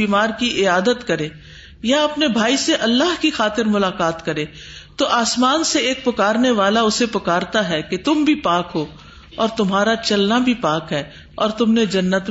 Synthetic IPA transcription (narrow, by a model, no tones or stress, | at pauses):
iːmaːɾkiʔɪaːd̪ət̪kɐɾẽː | jaɐpnebʱaːiseʔɐlːaɦkixaːt̪ɪɾmʊlaːkaːt̪kɐɾẽː | t̪oʔaːsmaːnseeːk̚pʊkaːɾneʋaːlaʊsepʊkaːɾt̪aɦɛket̪ʊmbʱipaːkɦoː | ɔːɾt̪ʊmɦaːɾat͡ʃɐlnabʱipaːkɦɛː | ɔːɾt̪ʊmned͡ʒɐnːət̪